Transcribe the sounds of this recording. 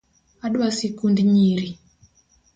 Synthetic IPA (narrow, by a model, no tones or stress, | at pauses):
aɗwasikundɲiɾi